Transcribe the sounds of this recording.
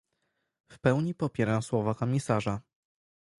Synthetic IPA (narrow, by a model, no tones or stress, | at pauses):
fpɛwɲipɔpʲjɛɾawswɔvakɔmʲisaʐa